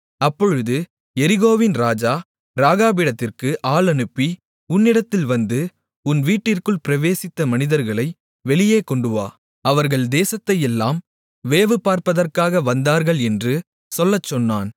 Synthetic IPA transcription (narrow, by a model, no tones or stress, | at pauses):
ɐpːɔɻɯðɯ | ɛɾɪɣoːʋɪnɾaːd͡ʒaː | ɾaːɣaːbiːɽɐt̪ːɪrkɯʔaːlɐnɯpːi | ʊnːɪɽɐt̪ːɪlʋɐnd̪ɯ | ʊnʋiːʈːɪrkɯɭpɪɾɐʋeːsɪt̪ːɐmɐnɪðɐɾɣɐɭɐɪ | ʋɛɭɪjeːkɔɳɖɯʋa̰ː | ɐʋɐɾɣɐɭd̪eːsɐt̪ːɐjɛlːaːm | ʋeːʋɯpaːɾpɐðɐrkaːɣɐʋɐnd̪aːɾɣɐɭɛndrɯ | sɔlːɐt͡ʃːɔnːaːn